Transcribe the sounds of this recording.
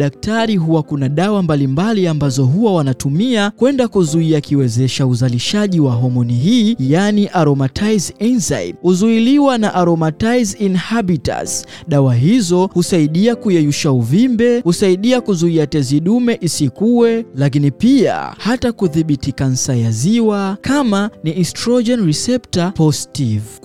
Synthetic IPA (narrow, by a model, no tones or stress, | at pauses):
ɗak̚taɾiɦuwakunaɗawambalimbaliambazɔɦuwawanatumiakwɛndakuzuiakiwɛzɛʃauzaliʃaʄiwaɦɔmɔniɦiːjaniʔaɾɔmatʰajzinsa̰jhuzuiliwanaʔaɾɔmatajzinhaɓita̰s | ɗawaɦizɔhusaiɗiakujɛjuʃauvimbɛhusaiɗiakuzuiatɛziɗumɛʔisikuwɛlak̬inipia̰hatakuðiɓitikan̩sajaziwakʰamaniʔistɾɔd͡ʒɛnɾisɛptapɔstiv